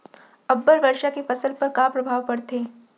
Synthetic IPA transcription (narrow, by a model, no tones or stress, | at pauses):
ɐbːəlʋɐɾʃakefɐsəlpɐɾkapɾɐbʱaːʋpɐɽt̪eː